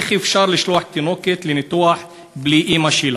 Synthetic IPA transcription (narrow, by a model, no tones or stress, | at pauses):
xifʃɑɾˤliʃlwaħ̚t̪inoket̪linɪt̪uaħ | bliʔimaʃiːla